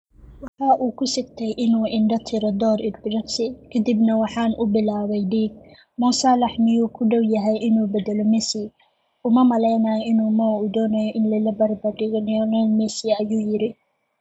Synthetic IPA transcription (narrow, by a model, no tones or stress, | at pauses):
wɑħɑːʔuːkʰʊsɪɡt̪ʰɛjʔɪnuːʔɪɳɖɐt̪ʰɪɾɔd̪ɔːɾɪd̪bɪɾɐksɪkʰɐd̪ibnɐwɑħɑːnʔʊbɪlaːwɛjɖiːɡ̚ | muːsɑlɑħmɪjuːkʰʊɖɐwjɐɦɛjʔɪnuːbɛd̪ɛlɔmɛsi | ʔʊmɐmɐlɛjnɐjɔɪnuːmɐwʊd̪ɔːnɐjɔʔɪnlɐlɐbɐrbɐɖɪɣɔnɪjɔnɔlmɛsiɐjuːjɪɾɪ